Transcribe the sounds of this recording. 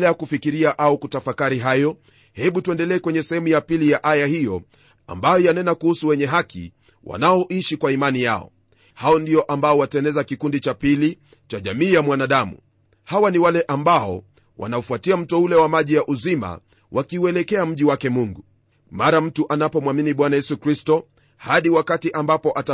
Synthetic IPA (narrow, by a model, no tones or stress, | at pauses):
lɛakufikiɾiaʔaukutafakaɾiɦajɔ | hɛɓutuɛndɛlɛːkwɛɲɛsɛhɛmujapilijaʔajahijɔ | a̰mbajɔjanɛnakuhusuwɛɲɛɦakḭ | wʔa̰naɔʔiʃikwaimanija̰ɔ̰ | haɔndiɔʔambaɔwatɛnɛzakikundit͡ʃapili | t͡ʃaʄamiːjamwanaɗamṵ | hawaniwalɛʔambaɔ | wʔa̰naufuatiam̩tɔulɛwamaʄijaʔuzima̰ | wʔakiuɛlɛkɛam̩ʄiwakɛmuŋɡu | maɾam̩tuʔanapɔmwaminiɓwanajɛsukɾistɔ | haɗiwakatiʔambapɔʔata